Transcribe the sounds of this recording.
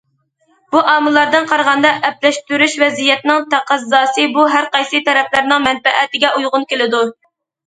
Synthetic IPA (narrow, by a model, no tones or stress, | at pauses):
b̥uʔɑːmɨlˠːɑɾd̪ɨnqʰɑɾʁɑnd̪ɑʔɛp̚lɛʃt̪yɾyʃvɛzijɛt̪nɪŋt̪ʰæqæzːɑːsɨbuɦæɾqɑjsɨt̪ʰɛɾɛplæɾnɪŋmɛnfɛʔæt̪ɪɡʲɛʔujʁʊnkʲelɪd̪u